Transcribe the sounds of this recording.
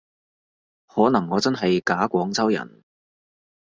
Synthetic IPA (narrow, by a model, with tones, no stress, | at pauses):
hɔː˨˥nɐ˨˩ŋːɔː˨˧t͡sɐ˥nɦɐ˨jkaː˨˥kʷɔː˨˥ŋt͡sɐ˥wjɐ̰˨˩n